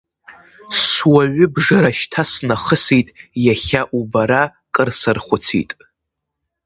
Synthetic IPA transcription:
swaɥʊbʐaɾaʃtʰasnaχəsijtʼjaχʲaʔubaɾakʼərsɨrχʷʊt͡sʰḭjtʼ

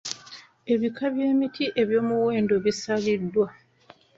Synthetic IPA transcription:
e̞βikʰaβje̞ːmitʰiʔe̞βjo̞ːmuwe̞ːndo̞βisalidːwa

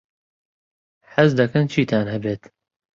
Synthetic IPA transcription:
ħɐzd̪ɐkɐnt͡ʃʰiːt̪ʰaːnhɐbeːt̪

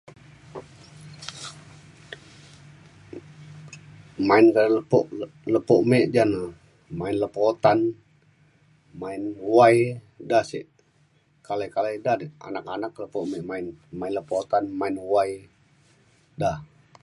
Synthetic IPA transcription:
maɪnkalləpoʔləpoʔmeʔd͡ʒana | maɪnləpot̪an | maɪnwaj | dahsḭʔ | kalakaladaa̰nakanakləpoʔmɛʔmaɪnmaɪnləpot̪anmaɪnwaj | dah

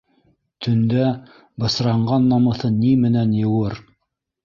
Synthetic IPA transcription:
t̪ʰɵ̆nd̪æ | bɤ̆sɾɑɴɢɑnːɑmɤ̆θɤnimɘ̆nænjɤ̆wɤɾ

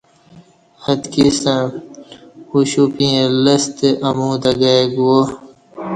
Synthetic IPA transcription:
hɐd̪kisã | uɕupiẽlɐst̪eʔɐmũːd̪ɐɡaeɡuo

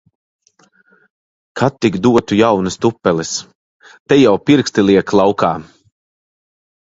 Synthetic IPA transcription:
kʰat̪ːiɡd̪uɔt̪ujawnust̪upːɛlis | t̪ɛjawpiɾkst̪ilˠiɛklˠawkaː

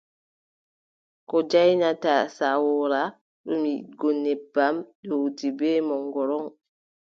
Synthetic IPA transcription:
kɔd͡ʒajnatasawɔɾa | ɗɔmiɡɔnːɛbːamɗowtibɛːmɔŋɡɔɾɔŋ

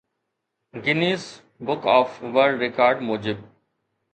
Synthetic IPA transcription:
ɡɪniːs | bʊkɔːfʋəɾɖɾɪkaːɾɖmoːd͡ʒɪb̚

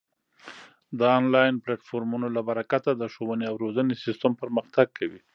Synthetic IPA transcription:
d̪əɑnlɑjnplaʈfoɾmunolabaɾakat̪ad̪əʃowəneawɾozənesɪst̪əmpəɾməxt̪aɡ̚kʰawi

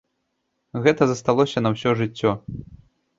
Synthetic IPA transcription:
ɣɛt̪ɐzɐst̪alˠɔsʲɐnɐwsʲɔʐɨt͡sʲːɔ

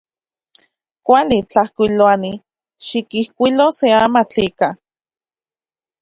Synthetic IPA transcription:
kʷalit͡ɬahkʷiloani | ʃikihkʷiloseamat͡ɬika

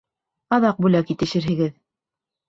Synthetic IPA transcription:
ɑðɑq̚bʉlækit̪ɘ̆ʃɘ̆ɾɦɘ̆ɡɘð

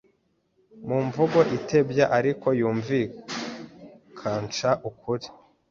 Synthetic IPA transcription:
muɱvuɡo̞ʔitʰe̞bjaʔaɾiko̞juːɱvi | kʰaːnt͡ʃaʔukʰuɾi

